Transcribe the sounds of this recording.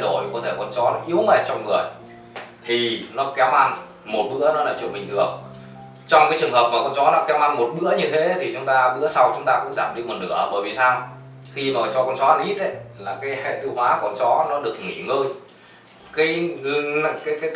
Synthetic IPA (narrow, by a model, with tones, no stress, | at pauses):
jɗo˧˩jkɔ˨˦t̪ʰe˧˩kɔ˧nt͡ɕɔ˨˦nɔ˨˦ʔi˨˦əwme˨˩t̚t͡ɕɔ˧ŋ͡mŋɨ˨˩əj | t̪ʰi˨˩nɔ˨˦kɛ˨˦wʔa˧n | mo˨˩t̚ɓɨ̰˧˥ənɔ˨˦laː˨˩t͡ɕəmï˨˩ŋ̟ɨ˨˩ək̚ | t͡ɕɔ˧wŋ͡mkaː˨˦jt͡ɕɨ˨˩əŋɦəː˨˩p̚maː˨˩kɔ˧nt͡ɕɔ˨˦nɔ˨˦kɛ˨˦wʔa˧nmo˨˩t̚ɓɨ̰˧˥əɲɨ˧t̪ʰe˨˦t̪ʰi˨˩t͡ɕʊ˨˦ŋ͡mt̪aː˧ɓɨ̰˧˥əsa˧wt͡ɕʊ˨˦ŋ͡mt̪aː˧kʊ̰˧˥ŋ͡mzaː˧˩mɗi˧mo˨˩nɗɨ̰˧˩ə˨˩ɓəː˧˩jvi˨˩saː˧w | xi˧maː˨˩t͡ɕɔ˨˧kɔ˧nt͡ɕɔ˨˦ʔa˧nʔi˦˥t̚ʔə˨˦jlaː˨˩kaː˨˦jhḛ˧˨t̪ɨ˧whwaː˨˦kɔ˧nt͡ɕɔ˨˦nɔ˨˦ɗɨ˨˩ək̚ŋḭ˧˨ŋəː˧j | kaː˨˦j | kaː˨˦jkaː˨˦